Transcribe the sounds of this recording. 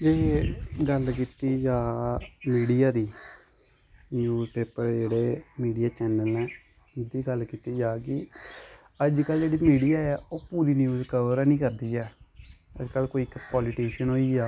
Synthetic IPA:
d͡ʒeːɡəlkiːt̪iːd͡ʒaːmiːɖijaːd̪iː | njuːzpeːpəɾd͡ʒeːɽeːmiːɖijaːt͡ʃɛːnəlɛ̃ː | d̪iːɡəlkiːt̪iːd͡ʒaːkɪ | əd͡ʒkəld͡ʒeːɽiːmiːɖijaːɛːoːpuːɾiːnjuːzkəʋəɾɛnĩːkəɾd̪iːɛːə̰d͡ʒkəlkoːiːkpɔːliʈiːʃənɦoːiːaː

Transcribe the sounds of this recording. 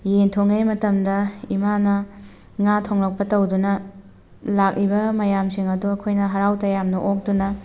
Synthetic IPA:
jentʰoŋejmɐtɐmdɐimanɐ | ŋatʰoŋlɐk̚pɐtɐwdunɐ | lak̚ɾibɐmɐjamsiŋɐduɐkʰojnɐɦɐɾawtɐjamnɐʔok̚dunɐ

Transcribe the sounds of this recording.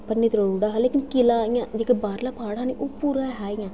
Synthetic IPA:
pənːiːt̪ɾouːɽaːɦaleːkɪnkɪlaːɪjãːd͡ʒekebaːɾlaːpʰaːɽãːniːʔoːpuːɾãːɦaːɪjãː

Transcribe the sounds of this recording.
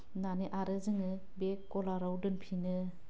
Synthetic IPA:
naniʔaɾɯzɯŋɯ | bekːɔlaɾawdɯnpʰinɯ

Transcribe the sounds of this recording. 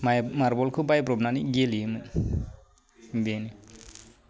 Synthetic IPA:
mamaɾbɔlkʰɯbajpɾɔbnaniɡelimɯn | beni

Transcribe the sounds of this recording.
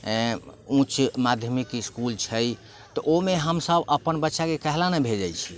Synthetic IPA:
ũt͡ʃmad̪ʱjəmikiskult͡ʃʰəj | t̪ɔʔomeɦəmsəbəpənbətːʃakekəɦlanɛbʱed͡ʒajt͡ʃʰi̥

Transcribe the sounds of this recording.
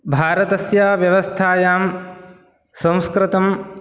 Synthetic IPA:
bʱaːɾɐt̪ɐsjaːʋjɐʋɐst̪ʰaːjaːm | sɐ̃w̃skɾɪt̪ɐm

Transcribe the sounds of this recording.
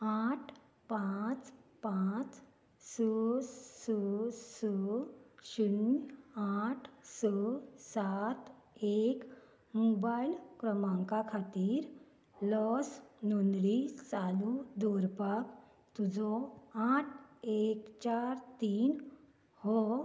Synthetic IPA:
aʈʰ | pat͡spat͡s | səsəsə | ɕunaʈʰsəsat̪ | ek | mobailkɾəmaŋkakʰat̪iːɾ | lɔsnonlit͡salud̪ɔɾpak | t̪ud͡zɔaʈʰekt͡ɕaɾt̪iːn | hɔ

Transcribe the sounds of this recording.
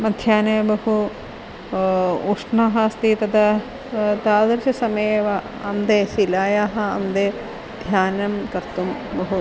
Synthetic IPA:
mɐd̪ʱjaːneːbɐɦu | uʂɳaːɦɐst̪it̪ɐd̪ɐ | t̪aːd̪ɐɾʃɐsɐmeeːʋɐ | ɐmd̪eːsilaːjaːɦɐ̆ɐ̰md̪eː | d̪ʱjaːnɐmkɐɾt̪umbɐɦu

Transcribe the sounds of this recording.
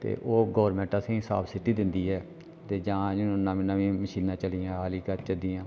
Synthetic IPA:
t̪ḛːʔoːɡɔːɾmɛ̃ːɳʈaːsẽːsa̰ːbsɪʈːiːd̪ɪnd̪iːɦɛː | t̪eːd͡ʒãːd͡ʒoʊnːãːmɪnãːʋĩːməʃiːnãːt͡ʃəliːãːɦaːliːkət͡ʃəd̪iːãː

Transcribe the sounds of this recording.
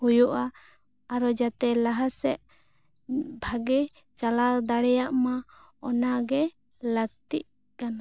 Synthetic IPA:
hujuʔaː | ɾɔd͡ʒat̪ɛlaɦasɛʔ | bʱaɡɛ | t͡ʃalad̪aɽɛjaʔma | ɔnaɡɛ | ləɡ̚t̪iʔ̚ | kana

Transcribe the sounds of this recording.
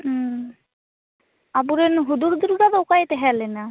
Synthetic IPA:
abuɾenɦuduɾd̪uɾɡad̪ɔwkajt̪ɛɦɛlena

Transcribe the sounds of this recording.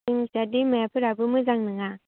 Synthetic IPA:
iŋsadimajapʰɯɾabɯmɯzaŋnɯŋa

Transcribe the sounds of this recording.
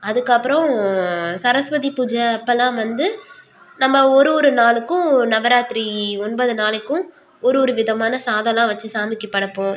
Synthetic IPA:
ɐðɯkːɐpːɯɾɔ̃ | sɐɾɐsʋɐðipud͡ʒɐːpːɐlãːʋɐnd̪ɯ | nɐmːɐɔɾɯɔɾɯnaːɭɯkːʊ̃nɐʋɐɾaːt̪ɾiɔnbɐðɯnaːlɪkːʊ̃ | ɔɾɯɔɾɯʋɪðɐmaːnɐsaːðɐlãːʋɐt͡ʃːɯsaːmɪkːɐpːɐɽɐpːõː

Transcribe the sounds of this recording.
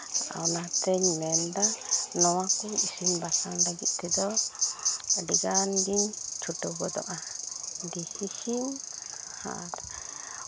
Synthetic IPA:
a̰wnat̪ɛɲmɛnd̪anɔwakɔisimbasaŋlaɡit̪̚ˀt̪ʰɛd̪ɔ | ɖiɡanɡiɲt͡ʃʰuʈɔwɡɔd̪ɔ̰ʔadihisim | ha̰ɾ

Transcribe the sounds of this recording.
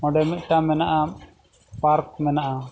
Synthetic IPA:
mɔɖɛmɛt̪̚ˀʈamɛnaʔa | paɾk̚mɛnaʔa

